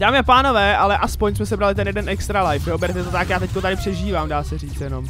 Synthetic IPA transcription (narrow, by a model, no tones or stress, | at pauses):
d̥aːmɪʔapaːno̞vɛːalɛʔaspoɲs̬mɛsɛbɾalɪt̪̬ɛnjɛdɛnɛkst̪ɾalajfobɛɾɛt̪ɛt̪ot̪akjaːt̪ɛckot̪adɪpr̝̥ɛʒiːvaːmdaːsɛriːt͡sjɛno̞m